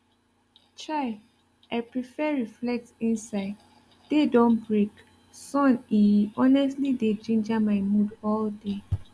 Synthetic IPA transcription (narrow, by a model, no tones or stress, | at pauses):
t͡ʃaɪ | aɪpɹifɛɹiflɛk̚tĩnsaɪd | dedɔ̃nbɹek | sɔ̃niɔnɛstlided͡ʒĩnd͡ʒamaɪmudɔlde